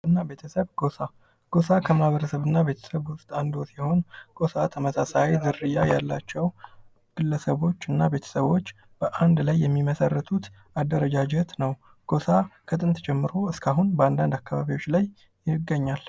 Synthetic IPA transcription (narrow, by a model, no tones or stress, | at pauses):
ɨnːabe̞t̪ʰəsəβɡ̥o̞sa | ɡ̥o̞sakʰəmahaβəɾəsəβɨnːabet̪ʰə̥səβwʊst̪ʼand̪osjɛho̞nɡ̥o̞sat̪ʰəməsasajzɨɾɨjaja̰lːat͡ʃːɛw | ɡ̥ɨlːəsəβo̞t͡ʃːɨnːabe̞t̪ʰə̥səβo̞t͡ʃː | b̥əʔand̪lajːɛmːiməsərːət̪ʰut̪ | ad̪ːəɾəd͡ʒad͡ʒɛt̪nəw | ɡ̥osakʰət̪ʼɨnt̪ʰd͡ʒɛmːɨɾo̞ɨskʰaɦunbəand̪and̪akːaβaβiwo̞t͡ʃːlaj | ɪɡːəɲːal